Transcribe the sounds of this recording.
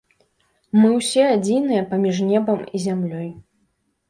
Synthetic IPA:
mɨwsʲɛad͡zʲinɨjɐpamʲiʐnʲɛbɐmizʲamlʲɔj

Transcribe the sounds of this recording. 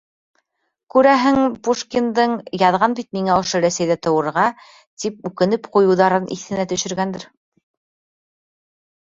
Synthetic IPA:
kʉɾæɦɘŋpuʃkʲind̪ɤɴjɑðʁɑnbit̪miŋæŏʃɤɾæsæjðæt̪ɤ̆wɤ̆ɾʁɑ | t̪ip̚ʉkɘ̆nɘpqujɤ̆wðɑɾɤnʔḭθɘ̆næt̪ɵ̆ʃɘ̆ɾɡænd̪ɘɾ

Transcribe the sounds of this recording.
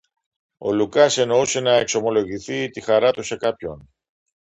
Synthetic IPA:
o̞̰lukɐse̞no̞use̞nɐekso̞mo̞lo̞ʝiθit̪ixɐɾɐt̪use̞kɐpço̞n

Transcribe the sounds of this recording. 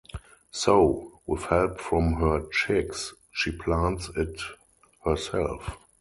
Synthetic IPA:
soʊwɪθhɛlpfɹɔ̃mɦɜ˞t͡ʃɪks | ʃiːpʰlãntsɪt | hɜ˞sɛ̰lf

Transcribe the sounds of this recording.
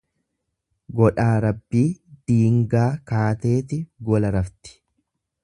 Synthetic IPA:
ɡɔᶑaːɾɐbːiːd̪̥iːŋɡaːkaːt̪e̞ːt̪ɪɡɔlɐɾɐft̪ɪ̥

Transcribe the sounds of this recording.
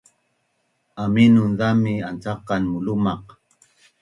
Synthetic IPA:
aminʊnd̪amɪant͡sɑqːɑnmʊlʊmɑq

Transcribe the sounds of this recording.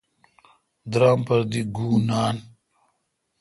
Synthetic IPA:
d̪ɾaːmpɐɾd̪iɡuːnaːn

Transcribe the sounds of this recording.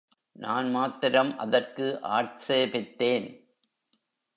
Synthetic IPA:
naːnmaːt̪ɪɾɐmʔɐ̰ðɐrkɯʔa̰ːʈseːpɪt̪ːeːn

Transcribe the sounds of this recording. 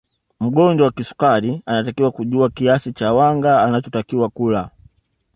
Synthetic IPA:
m̩ɡɔɲd͡ʒɔwakisu̥kaɾianatakiwakuʄuakiasit͡ʃawaŋɡaːnat͡ʃɔtakiwakula

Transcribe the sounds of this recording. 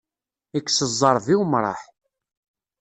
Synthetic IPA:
ækːsəzˤːɑɾˤðiwmɾˤɑ̰ħ

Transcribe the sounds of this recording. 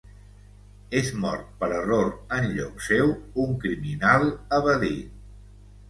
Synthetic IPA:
ezmɔ̰ɾt̪̚pəɾəroɾənʎɔksewuŋkɾiminalˠəβəði

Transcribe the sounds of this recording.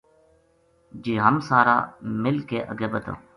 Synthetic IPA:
d͡ʒiːɦəmsaːɾa̰ːmɪlkeːʔəɡeːbət̪õ̰ː

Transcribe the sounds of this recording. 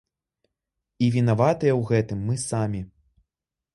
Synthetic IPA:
ivʲinavat̪ɨjɐwɣɛt̪ɨmːɨsamʲi

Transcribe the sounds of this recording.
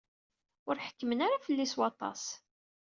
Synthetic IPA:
ʊɾħə̥kːəmənaɾafəlːiswɑt̪ˤɑ̰s

